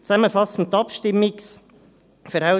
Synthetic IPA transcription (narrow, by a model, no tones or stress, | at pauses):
t͡sɛmːəfɑsn̩tːɑpʃtɪmːɪks | fəɾaʊ